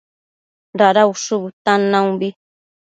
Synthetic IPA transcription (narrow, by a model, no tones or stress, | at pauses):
ɾaɾauʂuβɨt̪anãũbi